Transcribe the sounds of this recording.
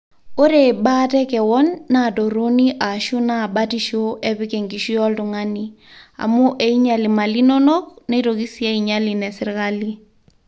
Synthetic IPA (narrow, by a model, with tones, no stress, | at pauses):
o˦ɾe˨ɓa˦tɛ˦kɛ˨wɔ˦nːa˦˨do˨ɾo˦ni˦ʔa˨ʃu˦na˦˨ɓati˦ʃo˦ʔe˦βɪ˦ke˨ŋɡi˨ʃi˦jɔ˦ltʊ˨ŋa˦ni˦ | a̰˨mu˦ʔe˨i˦ɲa˨li˨ma˨li˦no˦no˦k̚ne˦to˨ki˦si˦e˦iɲa˦li˨nɛ˨sɪ˦ɾɣa˦li˦